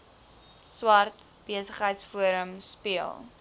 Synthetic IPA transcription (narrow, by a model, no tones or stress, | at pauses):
swɐrt | b̥iəsəχɦəjtsfuəɾəmspiəlˠ